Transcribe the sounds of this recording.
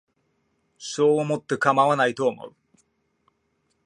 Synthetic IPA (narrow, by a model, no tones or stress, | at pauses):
ɕoːomo̞t̪ːe̞kamaβanait̪o̞ːmo̞̰ɯ̟